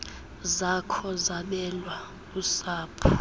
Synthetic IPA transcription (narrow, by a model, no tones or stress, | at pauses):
zakʰɔzaɓɛlwa | usaːpʰu